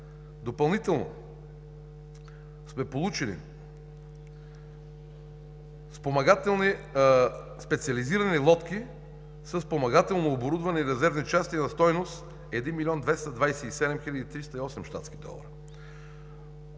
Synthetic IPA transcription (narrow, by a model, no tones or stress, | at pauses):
d̪opɐlˠnit̪ɛlˠno̰ | smɛpolˠut͡ʃilḭ | spomɐɡat̪ɛlˠni | spɛt̪siɐliziɾɐnilˠɔt̪kʲi | səsːpomɐɡat̪ɛlˠnoːboɾud̪vɐnɛiɾɛzɛɾvnit͡ʃast̪inɐst̪ɔjnost̪ | ɛd̪inmilʲiɔnd̪vɛst̪ɐd̪vajsɛisɛd̪ɛmxilʲɐd̪it̪ɾist̪əiɔsɛmʃt̪a̰t̪skid̪ɔ̰lˠɐ̰ɾɐ